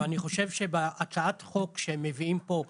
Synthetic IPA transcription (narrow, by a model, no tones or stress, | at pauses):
aniχo̞ʃe̞vʃe̞beʔat͡saatχo̞kʃemeviimpo̞